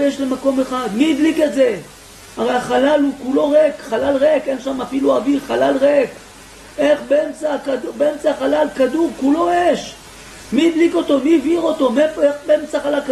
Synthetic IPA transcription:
eʃle̞mako̞me̞χad̪miːd̪liket̪ze̞ | haʁeaχalalukulo̞ʁekχalalʁekenʃamafiluaviʁχalalʁek | e̞χbeemt͡sakad̪ubeemt͡saχalalkad̪uʁkulo̞jeʃ | miːd̪liko̞t̪o̞miːviʁo̞t̪o̞miefoeχbeemt͡saχalalka

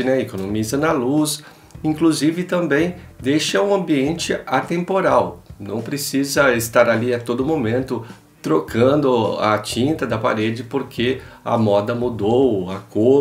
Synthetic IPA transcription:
ɪnɛekonomizɐnɐlus | ĩŋkluzivɪt̪ɐ̃mbẽj̃d̪ejʃɐũɐ̃mbiẽnt͡ʃɪat̪ẽmpoɾawnɐ̃w̃pɾesizɐɪst̪aɾaliɐt̪od̪ʊmõmẽnt̪ʊ | t̪ɾokʰɐ̃d̪ʊa̰t͡ʃĩnt̪ɐd̪ɐpa̰ɾed͡ʒɪpoɾkʰeɐ̰mɔd̪ɐmud̪owako

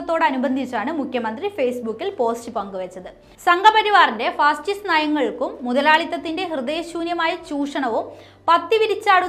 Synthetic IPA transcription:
ɐt̪ːo̞ːɽɐnubɐnd̪ʱit͡ɕːaːɳɨmukʰjɐmɐnd̪rifejsbukːilpo̞ːstɨpɐŋɡuʋɐt͡ɕːɐðɨ | sɐŋɡʱɐpɐɾiʋaːrinde̞faːsʈisnaːjɐŋːɐɭkumːuðɐlaːɭit̪ːɐt̪ːinde̞ɦrɨd̪eːɕuːnjɐmaːjɐt͡ɕuːʂɐɳɐʋom | pɐt̪ːiʋiɾit͡ɕːaːɽu

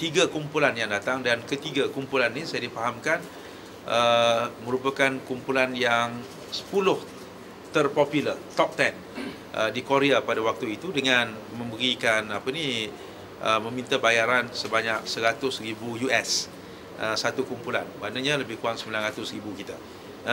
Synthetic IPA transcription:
t̪iɡakumpulanjaŋdat̪aŋdankət̪iɡakumpulanːisajadifaɦamkan | ʔəmə̃ɾupakankumpulanjaŋ | sə̥pulʊh | t̪ərpɔpjulət̪ɔp̚t̪ɛn | ʔədikoɾeapadawak̚t̪uit̪udəŋanmə̃mbəɾikanapəni | ʔəmə̃mĩnt̪abajaɾansəbaɲak̚səɾat̪ʊsribujuʔɛs | ʔəsat̪ukumpula̰nbanaɲaləbɪhkuaŋsəmbilanɾat̪ʊsɾibukit̪a

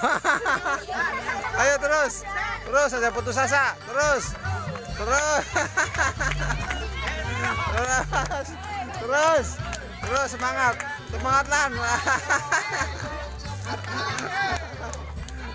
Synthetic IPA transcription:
ajat̪əɾʊst̪əɾʊsasaput̪̬us̬as̬at̪əɾʊst̪əɾos | əɾs | t̪əɾʊs | t̪əɾʊsːəmaŋat̪̚səmaŋat̪̚lan

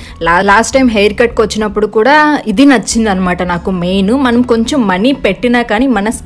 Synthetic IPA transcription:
llaːsʈːɐjmɦɐjɾkɐʈ̚kʋɐt͡ʃːinɐpːuɽukuːɽaːid̪inɐt͡ʃːind̪iɐnːɐmaːʈɐnaːkumeːnumɐnɐmko̞ɲt͡ʃɐmːɐnipeʈːinaːkaːnimɐnɐs

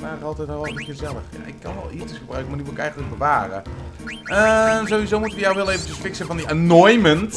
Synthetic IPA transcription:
aːəɑlˠtɛjtɔəkɪzɛlˠəxja̰ʔɪ̰kːɑnʋɛ̰lˠiətəsχəbrœɥkəmarnyʋɪlɪkɛjɣəntləɡ̚bəʋaːrə̰ | əzoːʋizoːmutəʋəjawʋɪlˠeːvən̩təsfɪksəvɔndiʔanɔjmənt

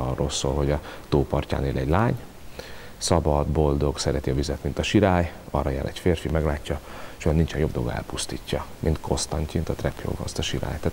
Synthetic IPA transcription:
ɒrːolso̰ːlho̞ɟɒt̪oːpɒrca̰ːneːlʔɛɟlaːɲ | sɒbɒd̪bo̞ld̪o̞ɡsɛɾɛt̪iɒvizɛt̪mint̪ɒʃiɾaːjɒrːɒjaːɾʔɛcfeːrfimɛɡlaːcːɒʃojɒnint͡ʃɛnjo̞bd̪o̞lɡɒ̰ɛ̰lpust̪iːcːɒmʔint̪kʰo̞st̪ɒɲcimint̪ɒt̪rɛpʰjo̰ːɡɒ̰st̪ɒʃiɾa̰ːjt̪aːt

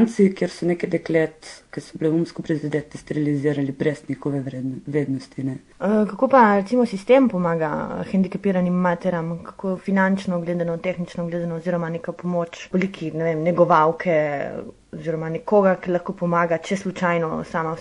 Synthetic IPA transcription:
nt̪sikjeɾsɔnekɛd̪ɛklet̪kɛsɔblɛumskɔpɾɛzid̪ɛt̪ist̪ɾiliziːɾalibɾɛsnʲixɔʋɛeʋɾeːd̪nɔst̪inɛ | kakopaɾɛt̪simɔsist̪empɔmaːɡaxɛnd̪ikapiːɾanimːat̪ɛɾamkḁkofinant͡ʃnɔɡleːd̪anɔt̪exnit͡ʃnɔɡleːd̪anɔːziɾɔmanekapɔmot͡ʃʋolikʰinɛʋemnɛɡɔʋawkʰɛ | ɔziɾɔmanɛkoːɡakilaxkopɔmaːɡat͡ʃɛslut͡ʃajnɔsaːma

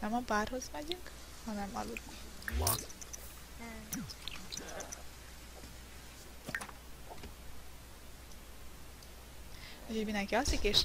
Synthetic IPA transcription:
nɛmɒbaːrɦo̞zmɛɟyŋk | hɒnɛmɒ̰lud̪nɛ | ucho̞ɟmind̪ɛŋkiɒsikeːʃ

